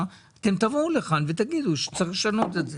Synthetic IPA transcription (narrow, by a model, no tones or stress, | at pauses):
at̪e̞mt̪avuleχanvet̪aɡid̪uʃe̥t͡saexleʃano̞t̪etze